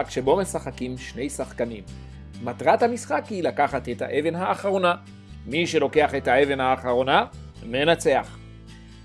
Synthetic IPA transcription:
akʃe̞bo̞me̞saχakimʃne̞jsaχkanimː | atʁathamisχakhilakaχat̪etha̰ʔe̞ve̞nɦaːχaʁo̞na | miʃe̞lo̞ke̞aχe̞thae̞ve̞nhaːχaʁo̞na | me̞nat͡se̞aχ

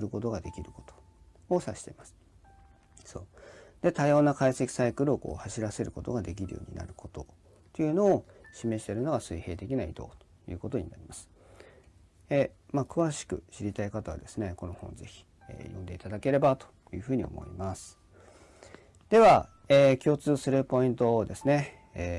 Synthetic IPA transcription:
ɾɯ̟ko̞t̪o̞ɡad̪e̞kʲiɾɯ̟ko̞̥t̪o̥ | osaɕi̥t̪e̞̰masɨ̥ | so̞ːd̪̥e̞t̪ajo̞ːnakaise̞kʲi̥saikɯ̟ɾɯ̟o̞ko̞̰ːhaɕiɾase̞ɾɯ̟kot̪o̞ɡad̪e̞k̬ʲiɾɯ̟jo̰ːɲ̟ḭna̰ɾɯ̟kʰo̞t̪o̞ | t̪eiɯ̟no̞ːɕime̞ɕi̥t̪e̞ɾɯ̟no̞ɡasɨihe̞ːt̪e̞kʲinaḭd̪o̞̰ːt̪o̥jɯ̟ːko̞t̪o̞ɲ̟inaɾʲimasɨ̥ | emakɯ̟βaɕi̥kɯ̟̰ɕiɾʲit̪aikat̪aβa̰d̪e̞sɨne̞ko̞nohõ̞̰nze̞çʲi̥ | ḛjõ̞nd̪e̞it̪ad̪ake̞ɾe̞bat̪o̥ | jɯ̟ːɸɯ̟ːɲ̟io̞̰mo̞̰ḭmasɨ̥ | d̪̥e̞βa | eːkʲo̞ːt͡sɨːsɨɾɯ̟po̞ĩnt̪o̞d̪e̞sɨne̞ | eː

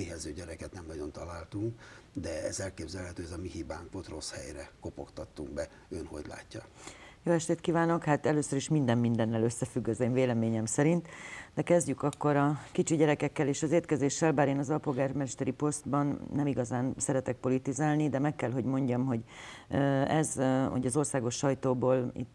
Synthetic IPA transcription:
eːɦɛzøːɟɛɾɛkɛt̪nɛmnɒɟo̞nt̪ɒlaːlt̪uŋkd̪ɛɛ̰zɛlkeːbzɛlhɛt̪øːɛzɒmiɦibaːŋkot̪ro̞shɛ̰jrɛko̞po̞̰kt̪ɒt̪ːuŋɡbɛ | ønho̞̰ɟla̰ːcːɒjoːɛʃt̪eːt̪kiːvaːno̞khaːt̪ɛløːsøɾiʃmind̪ɛmːind̪ɛnːɛløsːɛfyɡːɒzeːɱveːlɛmeːɲɛmsɛɾint̪d̪ɛkɛzɟykɒkːo̞ɾɒkit͡ʃiɟɛɾɛkɛkːɛleːʃɒzeːrt̪kɛzeːʃːɛlbaːɾeːnɒzɒlpo̞lɡaːrmɛʃt̪ɛɾipo̞st̪̚bɒnːɛmiɡɒzaːnsɛɾɛt̪ɛk̚po̞lit̪izaːlnid̪ɛmɛkːɛlɦo̞ɟmo̞ɲɟɒmɦo̞ɟ | ɛzo̰ɟɒzo̞rsaːɡo̞ʃːɒjt̪oːboːlḭt̪ː

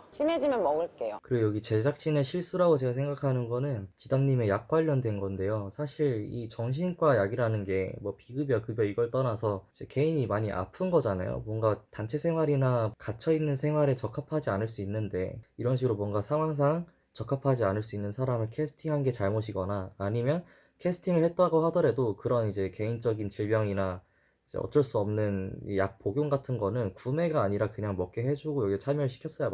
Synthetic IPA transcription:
ɕʰimed͡ʑimjʌnmʌɡɯɭk͈e̞jokɯɾjʌɡit͡ɕe̞d͡ʑak̚ɕ͈ineɕʰiɭs͈uɾaɡot͡ɕe̞ɡasʰe̞ŋɡakʰanɯnɡʌnɯnt͡ɕidamɲime̞jak̚k͈waʎːʌndwe̞nɡʌnde̞josʰaɕʰiɾḭt͡ɕʌŋɕ̬ʰinɡwajaɡiɾɯɭɦanɯnɡe̞mwʌpiɡɯbjʌkɯbjʌiɡʌɭt͈ʌnasʰʌd͡ʑe̞keiɲimaɲiʔa̰pʰɯnɡʌd͡ʑana̰jo̰mwʌŋɡatant͡ɕʰe̞sʰe̞ŋɦwaɾinakat͡ɕʰʌinːɯnsʰe̞ŋɦwaɾe̞t͡ɕʌkʰapʰad͡ʑianɯɭs͈uinːɯnde̞̰iɾʌnɕ̬ʰiɡɯɾomwʌŋɡasʰaŋɦwaŋs̬ʰaŋ | t͡ɕʌkʰapʰad͡ʑianɯɭs͈uinːɯnsʰaɾamɯɭkʰe̞sʰɯ̥tʰiŋɦanɡe̞t͡ɕaɭmoɕʰiɡʌnaːɲimjʌn | kʰe̞sʰɯ̥tʰiŋɯɭhe̞t̚t͈aɡoɦadʌɾe̞dokɯɾʌnid͡ʑe̞ke̞int͡ɕ͈ʌɡint͡ɕiɭmjʌŋina | id͡ʑe̞̰ʌ̰t͡ɕ͈ʌɭs͈uʌmnɯnjak̚p͈oɡjoŋɡatʰɯnɡʌnɯnkume̞ɡaːɲiɾakɯɲaŋmʌk̚k͈eɦe̞d͡ʑuɡojʌɡiʌt͡ɕʰamjʌɭɕʰi̥kʰjʌs͈ʌja

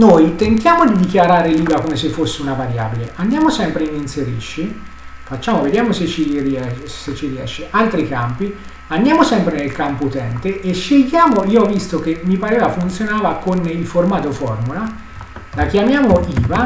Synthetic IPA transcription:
nojt̪ent̪jaːmod̪id̪ikjaɾaːɾeliːvakomesefːosːeunavaɾja̰ːbileʔand̪jaːmosɛmpɾeininseɾḭʃːi | fat͡ʃːaːmoved̪jaːmoset͡ʃːiriɛset͡ʃːiɾiɛ̰ʃːeʔalt̪ɾikampi | and̪jaːmosɛmpɾenelkampout̪ɛnt̪eʔeʃiɡjaːmoiːoɔvːist̪ok̟emːipaɾeːvafunt̪sjonaːvakonilformaːt̪ofɔrmula | lak̟jamjaːmoʔiːva

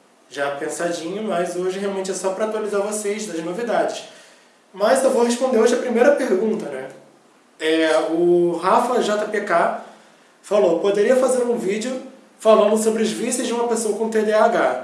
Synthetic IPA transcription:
ʒapẽsad͡ʒĩɲʊmɐzoʒɪɦealwmẽnt͡ʃɪɛsɔpɾɐaːt̪ualizaɾvosezd̪ɐznovid̪ad͡ʒɪs | mɐzewvoɦeʃpõd̪eɾoʒɪɐpɾimejɾɐpeɾɡũnt̪ɐnɛ | ɛʊɦafɐʒɔt̪ɐpeka | falopod̪eɾiɐfazeɾũvid͡ʒɪʊ | falɐ̃nd̪ʊsobɾɪʊzvisɪzd͡ʒɪũmɐpesoɐkõt̪ed̪eaɡa

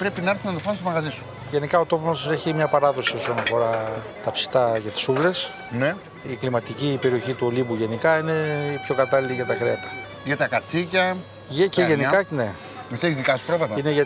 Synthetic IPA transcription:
pɾe̞pinɐeɾθunɐnðofɐnst̪omɐɣɐzisu̥ | ʝe̞nikɐot̪o̞pomse̞çimɲɐpɐɾɐðo̞sio̞sonɐfo̞ɾɐ | t̪ɐpsi̥t̪ɐʝɐt̪i̥suvle̞s | ne | iklimɐt̪icipe̞ɾioçit̪uolibuʝe̞nikɐine̞pço̞kɐt̪ɐliliʝɐt̪ɐkɾeɐt̪ɐ̥ | ʝɐt̪ɐkɐt͡sicɐ | eceʝenikɐne | meseçizðikɐsu̥pɾovet̪ɐineʝɐ

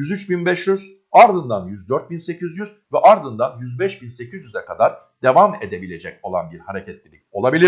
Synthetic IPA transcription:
jyzyt͡ʃbinbɛʃjyz̥ | aɾd̪ɯnd̪anjyzd̪øɾt̪̚binse̞cʰizjyz̥vɛʔaɾd̪ɯnd̪anjyzbɛʃbinse̞cizjyzɛkad̪aɾ | d̪̥e̞vame̞d̪e̞bilʲe̞d͡ʒɛco̞lˠa̰nbiɾhaɾe̞cʰɛt̪lʲilʲico̞̰lˠabilʲi

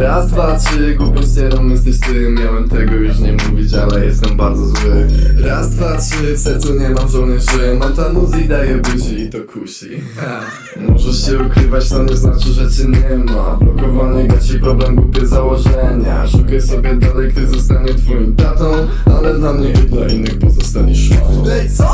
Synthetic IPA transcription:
ɾast̪fat͡ʂɨɡwupʲjɛsɲɛnɔ̃wmjɛst̪ɛɕt̪ɛ | mʲjawɛmt̪ɛɡɔjuʂɲɛmuvʲit͡ɕalɛjɛst̪ɛmbaɾd̪zɔzwɘɾast̪vat͡ʂɘt̪ɛsɔɲɛmazɔlnɛʐɛjɛmɛt̪anuzid̪ajɛbud͡ʑɛit̪ɔkʰuɕi | mɔʐɛʂɕɛukɾɘvat͡ɕt̪ɔɲɛznat͡ʂɨʐɛt͡ɕɛɲɛmabɔkɔvaɲiɡat͡ɕipɾɔblɛmɡwupʲjɛzawɔʐɛɲa̰ʂukajsɔbʲjɛd̪alɛjkt̪ɪzɔst̪aɲɛt̪fɔjɔ̃wt̪at̪ɔ̃w̃ | a̰lɛd̪lamɲɛjɛd̪lainːɨxpɔzɔst̪alʲiʂut̪ɔ̃

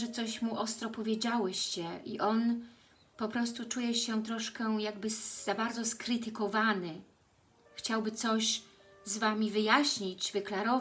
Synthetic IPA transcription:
ʐɛt̪sɔɕmuʔɔst̪ɾɔpɔvʲjed͡ʑawɛɕt͡ɕɛʔḭʔɔn | pɔpɾɔst̪ut͡ʂujɛɕɛt̪ɾɔʂkɛjaɡ̚bɘz̥abaɾd̪zɔskɾɘt̪ɘkɔvanɘ | xt͡ɕawbɘt̪sɔɕ | zvamʲivɘjaɕɲit͡ɕvɘklaɾɔv

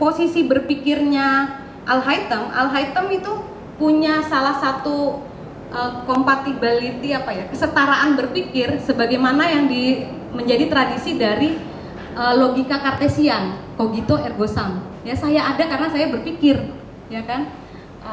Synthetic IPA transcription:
posisibərpikɪrɲa | ʔalɦait̪əma̰lɦajt̪əmit̪u | puɲasalahsat̪u | ʔəkompat̪ibəlit̪iapajakəsət̪aɾaʔanbərpikɪrsəbaɡajmanajaŋdi | məɲd͡ʒadit̪ɾadisidaɾi | əloɡikakart̪esiankoɡit̪oʔɛrɡosamjasajaʔːdakarənasajabərpikɪr | jakan | ə

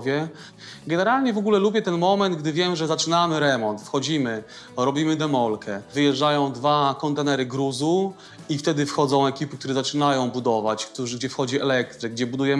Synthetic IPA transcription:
vʲjɛ | ɡɛnɛɾalɲɛvɔɡulɛlubʲjɛt̪ɛnmɔmɛnd̪ɡd̪ɘvʲjɛmʐɛzat͡ʂɘnamɘɾɛmɔnt̪fxɔd͡ʑimɘ | ɾɔbʲimɘd̪ɛmɔlkɛvɘjɛʐd͡ʐajɔ̃w̃d̪vakɔnt̪ɛnɛɾɘɡɾuzu | ift̪ɛd̪ɘfxɔd̪zɔ̃w̃ɛkʲipɘkt̪uɾɛzat͡ʂɘnajɔ̃w̃bud̪ɔvat͡ɕkt̪uʐɡd͡ʑɛfxɔd͡ʑiɛlɛk̚t̪ɾɛɡd͡ʑɛbud̪ujɛm

